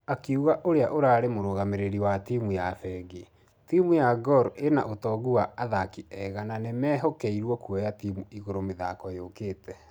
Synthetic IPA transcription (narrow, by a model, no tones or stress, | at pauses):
akeuɣaʔoɾeaʔoɾaːɾemoɾoɣameɾeɾiwatimujafɛɡi | timujaɡɔɾena̰ʔotɔːɣuwaaðakiɛɣananemɛːɦɔkɛiɾwɔkuɛjatimuiɣoɾomeðakɔjokeːtɛ